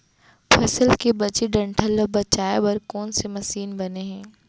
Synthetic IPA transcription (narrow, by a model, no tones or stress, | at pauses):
pʰɐsəlkebɐt͡ʃiɖɐ̃ɳʈʰəlːobɐt͡ʃaːebɐɾkɔːnsemɐsiːnbɐneɦɛ̃ː